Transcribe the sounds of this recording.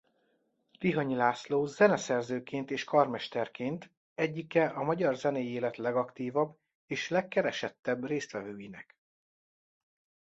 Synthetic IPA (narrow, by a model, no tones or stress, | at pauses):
t̪iɦɒɲilaːsloːzɛnɛsɛrzøːkeːnt̪eːʃkɒrmɛʃt̪ɛrkʰeːnt̪ | ɛɟːikɛʔɒmɒɟɒrzɛneːjeːlɛt̪lɛɡɒkt̪iːvɒb | eːʃlɛkːɛɾɛʃɛt̪ːɛbreːst̪ʋɛvøːjinɛk